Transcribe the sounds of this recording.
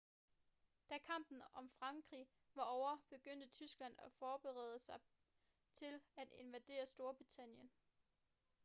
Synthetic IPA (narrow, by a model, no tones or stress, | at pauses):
d̥ækʰɑ̈m̰b̥n̩ɒ̽mfʁɑ̈ŋɡ̥ʁḭː | ʋɑ̈ɒʊɐb̥e̝ɡ̥øn̰d̥ət͡sʰysɡ̥læn̰æfɒːb̥e̝ʁɛ̰ð̞ˠəsɑ̈ɪ | t͡sʰe̝læd̥e̝nʋæd̥e̝̰ːɐsd̥o̝ɐb̥ʁit͡sʰæn̰jən